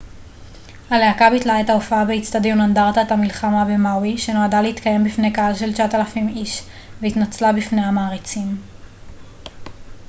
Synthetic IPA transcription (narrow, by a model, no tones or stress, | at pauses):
haleakabitlaetaofaabeit͡st̪ad̪jonand̪aʁt̪aet̪hamilχamabe̞mawiʃe̞no̞adale̞it̪kaje̞mbifne̞kaalʃe̞lt͡ʃaat̪alafimiʃ | veit̪nat͡slabifne̞jamaːʁit͡sim